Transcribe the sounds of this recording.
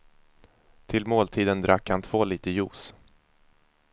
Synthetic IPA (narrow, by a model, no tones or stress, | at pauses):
t̪ʰɪlmoːlt̪ʰiːd̪ənd̪ɾʔakːhant̪ʰv̥oːliːt̪əjuːs